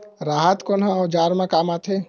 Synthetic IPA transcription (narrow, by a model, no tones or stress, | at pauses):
ɾaːɦət̪konãɔd͡ʒaːɾmẽkaːmat̪ʰe